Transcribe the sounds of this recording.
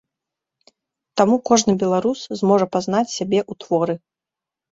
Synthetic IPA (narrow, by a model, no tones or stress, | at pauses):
t̪amukɔʐnɨbʲɛlˠaɾuszmɔʐɐpazn̪at͡sʲsʲabʲɛʔut̪vɔɾɨ